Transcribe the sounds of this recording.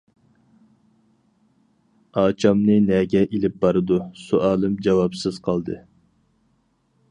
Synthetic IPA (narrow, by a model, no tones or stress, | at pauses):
ɑːt͡ʃʰɑmnɨnɛɡʲɛʔilɪp̚bɑɾɨd̪usuʔɑːlˠɨmd͡ʒɑwɑpsɨz̥qʰɑlˠd̪ɨ